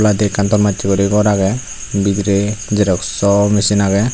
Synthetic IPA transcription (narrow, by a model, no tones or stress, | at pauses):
lad̪ɛkant̪ɔɾmat͡ʃikɔɾiɡɔɾaɡɛ | bit̪ɾɛd͡ʒɛɾɔksɔmisinaɡɛ